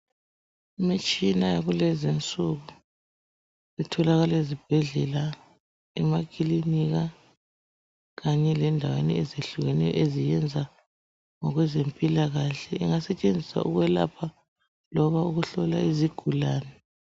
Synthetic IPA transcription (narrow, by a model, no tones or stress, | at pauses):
imit͡ʃʼinajaɣulɛzint͡sʼuɣu | itʰɔlaɣalezib̥ʱɛɮɛla | ɛmakʰʼiliniɣa | ɣaɲɛlɛndʱawḛniɛzeɬuɣɛnɛjɔ̰ʔezijɛnd͡zʱa | ŋɔɣwɛzempʼilaɣaɬɛiŋasɛt͡ʃʼend͡zʱisa̰ʔṵɣwɛla̰pʰa | lɔβauɣuɬɔla̰iziɡ̥ʱulaːnɛ